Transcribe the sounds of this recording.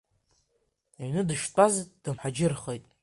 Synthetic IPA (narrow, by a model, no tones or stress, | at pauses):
iɥnɨdɨʃtʷʼazd̥ɨmħad͡ʒɪrχejtʼ